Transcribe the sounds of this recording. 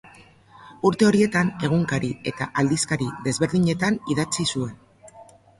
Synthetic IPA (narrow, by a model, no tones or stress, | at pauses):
uɾt̪e̞o̞ɾie̞t̪ane̞ɣ̞uŋkaɾie̞t̪a̰ʔald̪iskaɾiðe̞zβe̞ɾðiɲe̞t̪aniðat͡sisue̞n